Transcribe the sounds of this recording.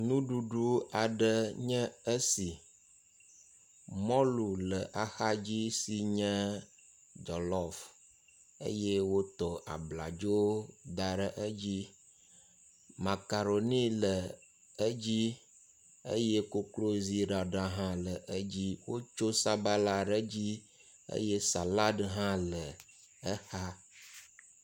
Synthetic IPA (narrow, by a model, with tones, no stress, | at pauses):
nũ˦ɖu˨ɖu˦a˨ɖə˦ɲɛ̃˦ə˦si˨ | mɔ̃˦lu˨lə˨ʔa˨xa˦d͡ʑi˦si˨ɲɛ̃˦ | d͡ʒɔ˨lɔ˨f | ə̰˦jɛ˦wo˦t̪ɔ˨a̰˨bla̰˨d͡ʒo˦d̪a˨ɖə˦ʔə˦d͡ʑi˦ | ma˨ka˨ɾo˨nĩ˦lə˨ | ə˦d͡ʑi˦ | ḛ˦je˦ko˦klo˦zi˦ɖa˨ɖa˦ɦã˦lə˨ʔə˦d͡ʑi˦wo˦t͡ʃo˦sa˦ba˦la˨ɖə˦d͡ʑi˦ | ḛ˦je˦sa˨la˦ɖɦã˦lə˨ | ə˦xa˦